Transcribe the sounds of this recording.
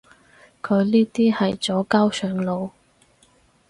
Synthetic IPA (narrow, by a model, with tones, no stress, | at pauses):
kʰɵ˨˧ɥniː˥t̪iː˥hɐ˨jt͡sɔː˨˥kaː˥wsœː˨˧ŋlo˨˧w